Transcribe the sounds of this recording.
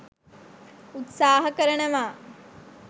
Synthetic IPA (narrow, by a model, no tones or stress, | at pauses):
ut̪saːɦɐkəɾənəʋaː